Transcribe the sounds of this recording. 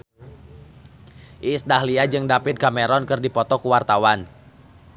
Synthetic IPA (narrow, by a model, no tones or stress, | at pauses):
ʔisdaɦliad͡ʒɨŋdapɪt̪̚kamɛɾɔnkɨrdipɔt̪ɔkuwart̪awan